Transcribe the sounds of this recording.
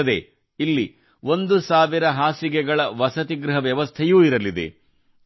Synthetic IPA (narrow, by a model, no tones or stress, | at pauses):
ɐd̪ḛ | ilːi | ʋo̞nd̪usaːʋiɾɐɦaːsiɡɛɡɐɭɐʋɐsɐt̪iɡɾuɦɐʋjɐʋɐst̪ʰejuːiɾɐlid̪e̞̰